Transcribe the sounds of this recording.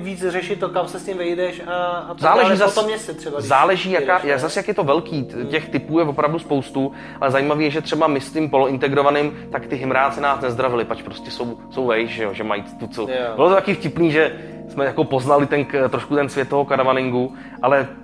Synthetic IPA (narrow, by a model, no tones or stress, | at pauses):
vit͡srɛʃɪt̪ːokamsɛscɪmvɛjdɛʃazaːlɛʒiːzasomɲɛsɪt̪r̥ɛbazaːlɛʒiːjakaːjazasjakjɛt̪o̞vɛlkiːcɛxt̪ɪpuːjɛvo̞pɾavduspowst̪u | ʔalɛzajiːmaviːjɛʒɛt̪r̥ɛbamɪscɪmpolɪnt̪ɛɡɾovanɪmt̪akt̪ɪɦɪmɾaːt͡sɛnaːsnɛzd̪ɾavɪlɪpat͡ʃpɾo̞scɛso̞wso̞wvɛjʃʒɛjoʒɛmajt̪ut͡sɛwbɪlot̪ot̪akiːfcɪpniːʒɛ | smɛjako̞po̞znalɪt̪ɛnt̪ɾoʃkut̪ɛnsvʲjɛt̪oɦokaɾavanɪŋɡu | ʔalɛ